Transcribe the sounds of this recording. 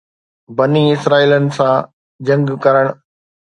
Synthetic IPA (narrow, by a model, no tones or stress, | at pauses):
bɐniɪsɾaːiːlənɪ̆sã | d͡ʑɐ̃ŋɡkɐɾəɽ̃